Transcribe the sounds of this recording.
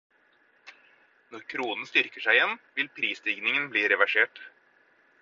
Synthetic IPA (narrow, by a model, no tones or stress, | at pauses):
nɔɾkʰɾuːnn̩st̪ʏɾkəʂæɪjɛnʋɪlpʰɾiːsd̪ɪɡnɪŋənbliːɾɛʋæʂeːʈ